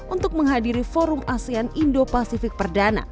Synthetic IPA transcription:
unt̪ʊk̚məŋɦadiɾifoɾʊmasianindopasifɪk̚pərdana̰

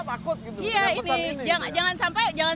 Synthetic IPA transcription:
akʊt̪̚ɡiijaind͡ʒaŋad͡ʒaŋansampajd͡ʒaŋa

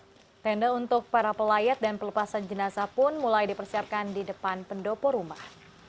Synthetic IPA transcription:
t̪ɛndaunt̪ʊk̚paɾapəlajat̪̚danpələpasand͡ʒənasapʊnmulajdipərsiap̚kandidəpanpəndopɔɾumah

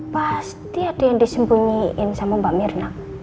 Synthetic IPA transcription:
past̪iad̥ejandisəmbuɲiɪnsamumbamɪrnak

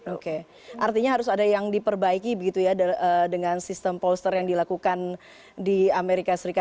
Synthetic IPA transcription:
oke | ʔart̪iɲaɦaɾʊsadajaŋdipərbaikibəɡit̪ujadədəŋansist̪əmpolst̪ərjaŋdilakukan | diameɾikasəɾika

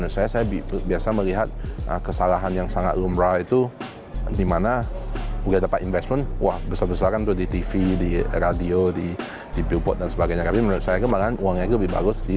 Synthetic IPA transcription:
ənʊt̪̚sajasajabibiasamə̃liɦat̪̚ʔə̰kəsalaɦanjaŋsaŋa̰t̪lumɹajt̪u | dimanabuɡadapat̪invɛsmənwahbəsabəsaɾant̪udit̪ifidiɾadiodi | dibipɔt̪̚dansəbaɡajɲat̪apimənʊt̪sajakumaknuaŋɲat̪̬ubɪba̰ɡʊsdi

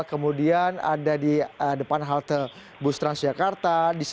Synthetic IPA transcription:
kəmudiana̰dadiədəpanɦalt̪ə | bust̪ɾansd͡ʒakart̪adis

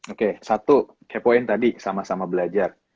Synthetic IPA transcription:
okesat̪u | kapoɪnt̪adisamasamabəlad͡ʒar

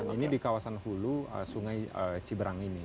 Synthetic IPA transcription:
inidikawasanhuluəsuŋajət͡ʃibəɾaŋini

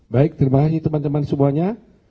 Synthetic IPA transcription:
baɪk̚t̪ərbaɦasdit̪əmant̪əmansəmuaɲa

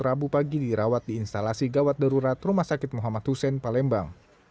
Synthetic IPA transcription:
rabupaɡidiɾawat̪̚diːnst̪alasiɡawat̪̚daɾuɾat̪rumahsakɪt̪̚mɔɦamat̪husɛnpalɛmba̰ŋ

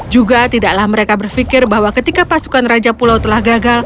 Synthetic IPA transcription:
d͡ʒuɡat̪idaʔlahməɾekabərfikɪrbahwakət̪ikapasu̥kanrad͡ʒapulawt̪əlahɡaɡal

